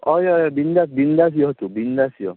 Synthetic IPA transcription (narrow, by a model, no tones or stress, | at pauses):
ɔjɔjɔbind̪abind̪as̬ijɔt̪ubindasijɔ̰